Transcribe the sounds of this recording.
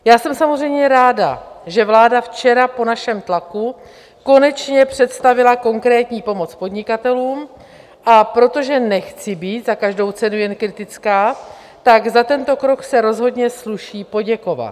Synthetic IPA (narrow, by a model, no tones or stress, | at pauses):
jaːsɛmsamozr̝ɛjmɲɛɾaːda̰ʒɛvlaːdaft͡ʃɛɾapo̞naʃɛmt̪laku | ko̞nɛt͡ʃɲɛpr̝̥ɛt̪st̪avɪlako̞ŋkɾɛːt̪ɲiːpo̞mo̞t͡spo̞d̪ɲɪkat̪ɛluːm | ʔapɾo̞t̪o̞ʒɛnɛxt͡sɪbiːt̪zakaʒdo̞wt͡sɛnujɛnkɾɪt̪ɪt͡skaː | t̪aɡzat̪ɛnt̪o̞kɾo̞ksɛɾo̞zɦo̞dɲɛsluʃiːpo̞ɟɛko̞va̰t̪